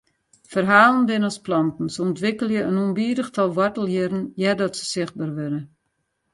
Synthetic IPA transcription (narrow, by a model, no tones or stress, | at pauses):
fərɦaːlˠənbɪnəɔsplɔntn̩səɔntʋɪkəlˠjəənunbiːɾəxtʰɔlˠʋɔrtəlˠjɪɾn̩jɛdɔtsə̥sɪxt̚baːrʋøɾə